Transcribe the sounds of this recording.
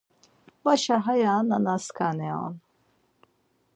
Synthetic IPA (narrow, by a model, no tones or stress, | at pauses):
waʃaɦajananaskaneo̰n